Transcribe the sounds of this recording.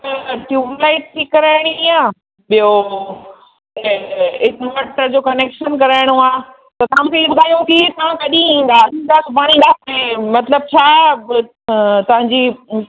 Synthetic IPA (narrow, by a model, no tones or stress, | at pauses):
ʈjuːlaːɪʈ̚t̪ʰikɐɾaːɪɽ̃iaː | ɓijo | ɪʈmaʈəɾd͡ʑoːkɐneːkʃənkɐɾaːɪɽ̃oaː | t̪ɐt̪ɐʋãmũkʰeiɓʊd̪ʱaːijokit̪ɐʋ̤ãkɐɗĩĩːn̆d̪aːĩnd̪aːsɐpaːɽ̃iɗaːkʰmẽmɐt̪ləb̚t͡ɕʰaː | t̪ɐʋ̤ãɲd͡ʑi